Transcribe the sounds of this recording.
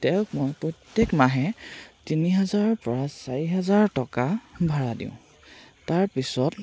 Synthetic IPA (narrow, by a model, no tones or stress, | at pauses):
tɛʊkmɔjpɹɔtjekmaɦɛtiniɦɛzaɹɔpɔɹasaɹiɦɛzaɹtɔkabʱaɹadḭ̃ʊ̃ | taɹpisɔt